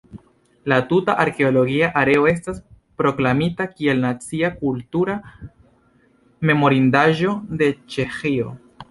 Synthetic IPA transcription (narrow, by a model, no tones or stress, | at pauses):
latutaʔaɾke̞o̞lo̞ɡiaʔaɾe̞o̞e̞s̬tas | pɾo̞klamitakie̞lnat͡siakultuɾa | me̞mo̞ɾindaʒo̞de̞t͡ʃe̞xio̞̰